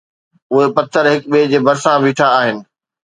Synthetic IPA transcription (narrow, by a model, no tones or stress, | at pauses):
ʊɦepɐt̪ʰːəɾɦɪk̚ɓeːd͡ʑeːbɐɾsãʋiːʈʰaːɦɪnɪ̆